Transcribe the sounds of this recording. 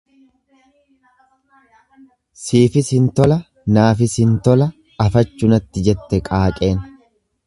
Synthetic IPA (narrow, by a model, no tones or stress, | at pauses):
siːfɪsɪnt̪ɔlɐ | naːfɪsɪnt̪ɔlɐ | ɐfɐt͡ʃːʊnɐt̪ːɪd͡ʒɛt̪ːɛkʼaːkʼe̞ːn